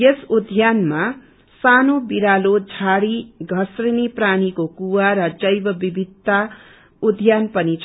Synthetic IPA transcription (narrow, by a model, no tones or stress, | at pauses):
jesud̪ʱjanma | sanobiɾalod͡zʱaɽiɡʱʌsrinipranikokuwaɾʌd͡zʌjbʌbibʱid̪̚ːa | ud̪ʱjanpʌnit͡sʰ